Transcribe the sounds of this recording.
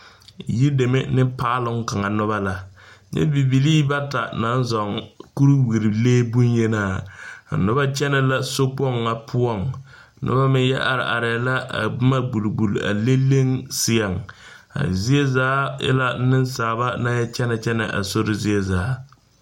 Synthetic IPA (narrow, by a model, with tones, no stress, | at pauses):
ji˦de˨me˦nɪ˦paː˦lʊ˦ŋka˨ŋa˨nʊ˦βa˦la˦ɲɛ̰˦bi˨bi˨liː˦ba˦ta˨na˨˦n˦zɔ˨ŋku˦ɾu˦wi˨ɾi˨leː˦bu˦njɛ˦naː˦˨a̰˨nʊ˦ba˦t͡ʃɛ˦nɛ˨la˦so˦k͡pɔ˦˨ŋːa˨pʰʊ˦ɔ˦˨ŋ | nʊ̰˦ba˦mɪ˦n˦jɛ˦ʔa˨ɾɪ̰˨ʔa̰˨ɾɛ˨la˦ʔa̰˨bɪ˦ma˦ɡ͡bu˨lɡ͡bu˨la̰˨le˦le˦ŋsɪ˦a˨ŋ | a̰˨zi˦e˦zaː˨˦jɛ̰˦la˦nɪ˦nsaː˨ba˦na˦jɛ˦t͡ʃɛ˦nɛ˨t͡ʃɛ˦nɛ̰˨ʔa̰˨so˦ɾɪ˦zi˦ɛ˦zaː˨˦